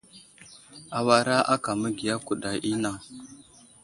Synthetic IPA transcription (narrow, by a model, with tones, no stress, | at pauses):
a˨wa˦ɾa˦ʔa˦ka˨mə˦ɡi˨ja˦ku˨ɗa˨ʔi˦na˦˨